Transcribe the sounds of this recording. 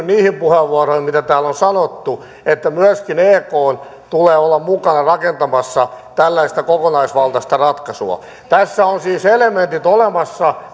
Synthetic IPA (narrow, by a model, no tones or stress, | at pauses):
niːhimpuheʋːuɑrohimmit̪æt̪æːlonsɑnot̪ːu | et̪ːæmyæskineːkoːn | t̪uleːolːɑmmukɑnɑrɑkent̪ɑmɑsːɑt̪ælːæist̪ækokonɑisʋɑlt̪ɑst̪ɑrɑt̪kɑsṵɑ̰ | t̪æsːæonsiːselement̪it̪olemɑsːɑ